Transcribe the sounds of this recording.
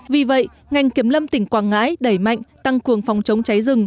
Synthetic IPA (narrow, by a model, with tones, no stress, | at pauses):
vi˨˩və̰˧˨j | ŋa˨˩jŋ̟ki˨˦əmlə˧mt̪ï˧˩ŋ̟kwaː˧˩ŋːa̰ː˧˥jɗə˧˩jma̰˧˨jŋ̟t̪a˧ŋkɨ˨˩əŋfwŋ͡mt͡ɕə˨˦wŋ͡mt͡ɕa˨˦jzɨ˨˩ŋ